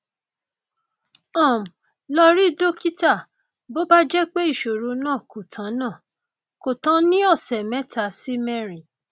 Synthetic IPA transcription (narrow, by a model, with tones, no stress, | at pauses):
ɔ̃˦˨m̩˨ | lɔ˧ɾi˦do˦ki˦ta˦˨ | bo˦ba˦d͡ʒɛ˦k͡pe˦i˦˨ʃo˨ɾo˨˧˦nãː˦˨ko˨tʰã˨˦nã˦˨ | ko˨tã˧˦nĩ˦ɔ˦˨sɛ˨mɛ̃˦ta˧si˦mɛ˦˨ɾi˨